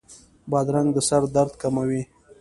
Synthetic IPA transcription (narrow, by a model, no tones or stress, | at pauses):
bɑd̪ɾaŋɡd̪əsaɾd̪aɾd̪kamawi